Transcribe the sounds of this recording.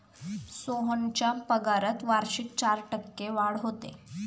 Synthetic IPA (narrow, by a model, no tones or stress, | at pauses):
soɦənt͡ɕjapəɡaɾət̪ʋaɾɕik̚t͡ɕaɾʈəkːeʋaɽɦot̪ḛ